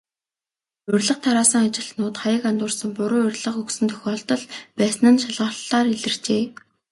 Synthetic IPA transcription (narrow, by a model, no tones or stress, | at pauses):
ɵrʲɮə̆qt̪ʰaɾaːsə̆ŋat͡ɕɪ̆ɬt̪nʊːt̪χajə̆kant̪ʊːrsə̆ŋpʊɾʊːɵrʲɮə̆χɵksɵ̆nt̪ʰɵ̥xʲɔːɮt̪ɞ̆ɮpæːsnə̆nʃaɮʁəːɬaːriɮɘ̆r̥t͡ɕeː